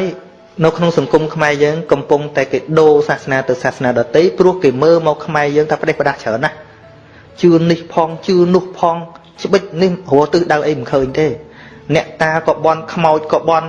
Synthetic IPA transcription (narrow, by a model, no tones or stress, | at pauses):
həəj | nɨwkʰnoŋsɑŋkumkʰmaɛjəːŋkɑmpuŋt̪aɛkeːɗoːsaːhsnaːt̪ɨwsaːhsnaːɗɑt̪əjprʊ̆əhkeːməːlmaɑɔkʰːmaɛjəːŋt̪ʰaːpə̆ɗehpə̆ɗaht͡ɕʰəənʔah | t͡ɕɨənːihpʰɑːŋt͡ɕɨənʊ̆əhpʰɑːŋ | t͡ɕə̆ɓəc̚nihɦoət̪ɨːhɗawʔəjməkʰəːɲt̪eː | nɛ̆əʔt̪aːkɑːɓɑnkʰmaɔc̚kɑːɓɑn